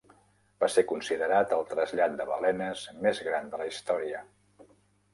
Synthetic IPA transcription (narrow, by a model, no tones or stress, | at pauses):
b̥asekunsiðəɾat̪əlˠt̪ɾəzʎat̪̚d̪əβə̰lɛnəzmezɣɾand̪ələist̪ɔɾiə